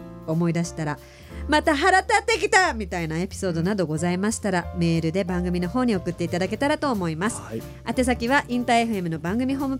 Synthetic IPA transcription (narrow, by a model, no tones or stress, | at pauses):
o̞mo̞id̪aɕi̥t̪aɾa | mat̪aɦaɾat̪at̪ːe̞kʲit̪amʲit̪ainae̞pʲi̥so̞ːd̪o̞nad̪o̞ɡo̞zaimaɕi̥t̪aɾame̞ːɾɯ̟d̪e̞bãŋɡɯ̟mʲino̞ɦo̞ːɲ̟io̞kɯ̟t̪ːe̞it̪ad̪ak̬e̞t̪aɾat̪o̞ːmo̞imasɨ̥ | at̪e̞s̬akʲiβaʔĩnt̪ae̞ɸɯ̟e̞mɯ̟no̞bãŋɡɯ̟mʲiɦo̞ːmɯ̟